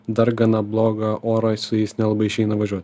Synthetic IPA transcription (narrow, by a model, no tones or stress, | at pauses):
d̪ɐɾɡɐnɐblˠoːɡɐʔoːɾɐsʊjɛɪsnʲɛlˠɐbɐɪɪʃʲɛɪnɐʋɐʒʲuɔt̪ʲ